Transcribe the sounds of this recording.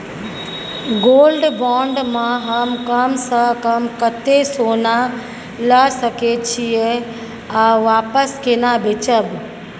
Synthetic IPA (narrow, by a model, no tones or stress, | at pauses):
ɡoːlɖbɔ̃ːɳɖmãɦɐmkɐmsãkɐmkɐt̪esoːna | ləsɐket͡ɕʰie | aʋaːpəskeːnabʱet͡ɕəb